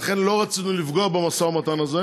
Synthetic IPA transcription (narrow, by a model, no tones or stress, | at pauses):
χenlo̞ʁat͡sinulifɡoabemasamat̪anaze